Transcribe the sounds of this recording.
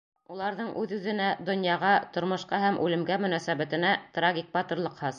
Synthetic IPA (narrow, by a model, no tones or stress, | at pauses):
ulˠɑɾðɤɴʔʉðʉðɘ̆næd̪ŏnjɑʁɑt̪ŏɾmŏʃqɑɦæmʔʉlɘ̆mɡæmɵ̆næsæβæt̪ɘ̆næt̪raɡʲik̚bɑt̪ɤ̆ɾlˠɤ̆qhɤz